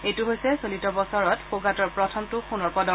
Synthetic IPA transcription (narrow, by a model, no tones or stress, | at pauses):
etuɦojsɛsolitɔbɔsɔɹɔtxoɡatɔɹpɹɔtʰɔmtʊxunɔɹpɔdɔ